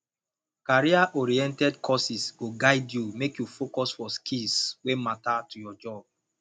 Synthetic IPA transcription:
kaɹiaʔɔɹiɛ̃ntɛdkʰɔsisɡ̥oɡaɪdjumekjufokɔsfɔskʰilswematatujɔd͡ʒɔb̚

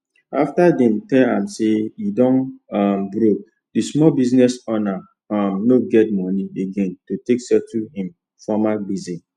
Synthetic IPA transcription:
a̰ftadɛ̃mtɛlãmsejidɔ̃nmbɾok̚ | dismɔlbiznɛsɔna | amnoɡɛt̚mɔnieɡẽntoteksɛtuhĩm | fɔmabizi

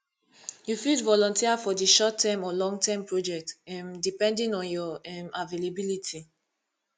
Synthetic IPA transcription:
jufidvɔlɔ̃ntiafɔdiʃɔtːɛ̃mɔlɔ̃ŋɡ̚tɛ̃mpɹod͡ʒɛk̚tɛ̃mdipɛ̃ndĩnɔ̃njɔɛmavelabilitʰi

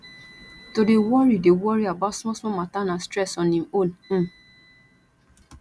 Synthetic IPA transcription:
todewɔɾidewɔɹiabatsmɔsmɔmatanãstɾɛsɔnĩol̩

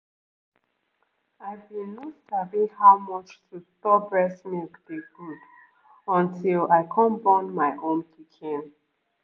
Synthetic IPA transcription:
aɪbĩnɔsavihaʊmɔt͡ʃtʰutɔbɹɛsmikd̥eɡud | ɔ̃ntʰilaɪkʰɔ̃nbɔnmaɪʔõnpʰikʰĩn

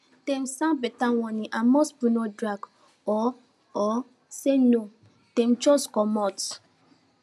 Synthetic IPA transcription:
tem̩sãbetawɔnĩʔamɔsbunodɾaɡ | ɔ | ɔ | seno | tem̩t͡ʃɔskɔmɔt

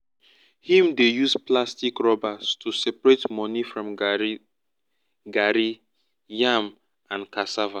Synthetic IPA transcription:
hĩmdejusplastikɹɔbastʰusɛpɹetmɔnifɹɔ̃m | ɡaɾi | jãm | ãnkasava

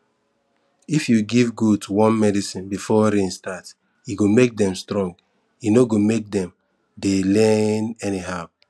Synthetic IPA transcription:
ifjuɡivɡud̚tʰuwɔ̃nmɛdisĩnbifɔɾẽnstat | jiɡomek̚dɛ̃mstɹɔ̃ŋɡ | jinoɡomek̚dɛ̃m | delɛnɛniɦa

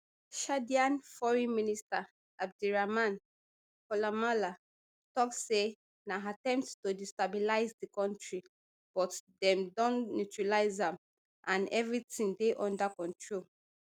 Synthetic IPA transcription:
ʃadiãnfɔɹĩnminista | ab̚duɹamãn | kɔlamala | tɔk̚se | naɦatɛ̃mpttodistabilaɪzdikɔ̃ntɹi | b̥ɔtdɛ̃mdɔ̃nnutɹalaɪzãm | ʔãnɛvɹitĩŋdeʔɔ̃ndakɔ̃ntɹol

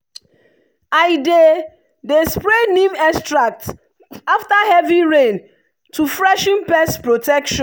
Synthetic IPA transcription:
ajde | despɹenĩmɛstɹak̚t | aftahɛviɹẽn | tufɹɛʃĩnpɛspɹotɛkʃɔ̃n

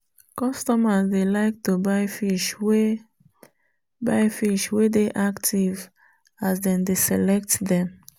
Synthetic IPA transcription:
kɔstɔmasdelaɪk̚tubaɪfiʃwe | baɪfiʃwedeʔaktʰiv | asdɛ̃ndesɛlɛk̚tdɛ̃m

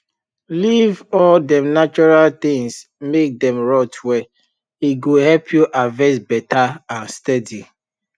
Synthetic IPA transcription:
livɔldɛ̃mnat͡ʃɔɹalt̪ĩŋs | mek̚dɛ̃mɹɔtʰwɛ | iɡohɛlpʰjuʔavɛsbɛtʰaãnstɛdi

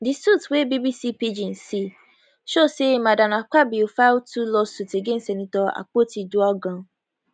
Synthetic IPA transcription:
disutwebibisipid͡ʒĩnsi | ʃoseimãdanãk͡pabiofawtulɔsuteɡen̩stɛnĩtɔa̰k͡potiduɔɡã

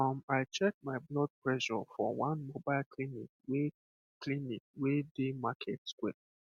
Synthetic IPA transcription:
ãmaɪt͡ʃɛk̚maɪblɔd̚pɹɛʃɔfɔ̰wãnmobaɪlkʰlinḭk̚we | klinik̚wedemakʰɛtskwɛ̰

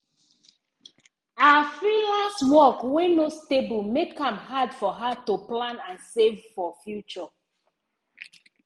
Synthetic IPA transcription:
afɹilastwɔkwɛ̃nostebulmekhãmhadfɔɦatuplãnãnsevfɔfjut͡ʃɔ

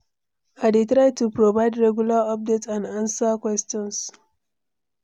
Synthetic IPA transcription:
aɪdetɹaɪtupɹovaɪdɹɛɡjulaɔp̚detãndãnsakwɛstɔ̃ns

